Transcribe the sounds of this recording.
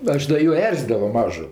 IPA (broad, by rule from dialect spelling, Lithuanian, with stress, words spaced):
ˈɐʃ dɐ ˈjuː ˈɛrʲzʲiːdɐʋoː ˈmɑːʒʊ